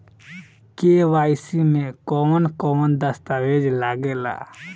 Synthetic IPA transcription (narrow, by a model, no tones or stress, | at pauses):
keːʋaːsimẽkɔːmənkɔːmənd̪əst̪aʋeːd͡ʒlaɡela̰ː